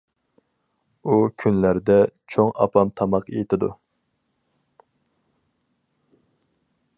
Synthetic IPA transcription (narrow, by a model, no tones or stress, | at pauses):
ukʲʰynlæɾd̪ɛt͡ʃʰoŋɑ̰pɑmt̪ʰɑmɑqejet̪ʰɪd̪ṵ